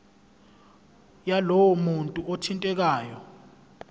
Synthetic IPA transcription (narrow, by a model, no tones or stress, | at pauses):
jalɔwɔmuntʼuotʰintʼɛk̬aːjɔ